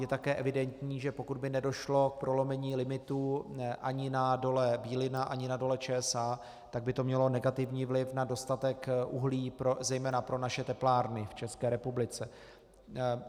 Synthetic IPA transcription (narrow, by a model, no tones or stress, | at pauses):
jɛt̪akɛːʔɛvɪdɛnt̪ɲiːʒɛpo̞kud̪̚bɪnɛdo̞ʃlo̞k̚pɾo̞lo̞mɛɲiːlɪmɪt̪uːʔaɲɪnado̞lɛbiːlɪnaʔaɲɪnado̞lɛt͡ʃɛːɛsaː | t̪aɡ̚bɪt̪o̞mɲɛlo̞nɛɡat̪ɪvɲiːvlɪfnado̞st̪at̪ɛkʔṵɦliːpɾozɛjmɛːnapɾo̞naʃɛt̪ɛplaːɾnɪft͡ʃɛskɛːɾɛpublɪt͡sɛ